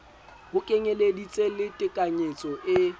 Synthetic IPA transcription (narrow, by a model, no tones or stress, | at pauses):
bʊkʼeɲeledit͡sʼelɪtʼɪkʼaɲet͡sʼɔʔɪ